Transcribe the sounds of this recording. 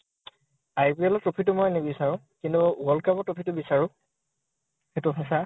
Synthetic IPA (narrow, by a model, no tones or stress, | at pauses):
ajpiɛlɔtːopʰit̬ʊmojnebisaɹʊ̃ | kintuɡɔlkabɔtɹopʰitʊbisaɹʊ̃ | xetʊtʰas̬a